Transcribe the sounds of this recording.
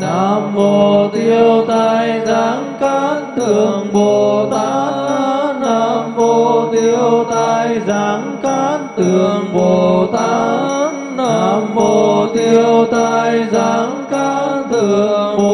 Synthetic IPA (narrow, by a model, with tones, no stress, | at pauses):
na˧˩mmo˨˩˨o˩t̪i˧əwt̪a˧jjzaː˨˦ŋkaː˧˦˥nt̪ʰɨ˨˩əŋɓo˨˩t̪aː˧˥ | na˧˩mo˧˩t̪i˧əwt̪a˧jzaː˨˦ŋkaː˧˦˥nt̪ʰɨ˨˩əŋɓo˨˩t̪a˧˦ | a̰˧˩mo˨˩t̪i˧əwt̪a˧jzaː˨˦ŋka˧˦nt̪ʰɨ˨˩əəŋ